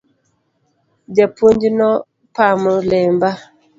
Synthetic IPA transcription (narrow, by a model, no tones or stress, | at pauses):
d͡ʒapʰoɲd͡ʒinɔ | pamulɛmba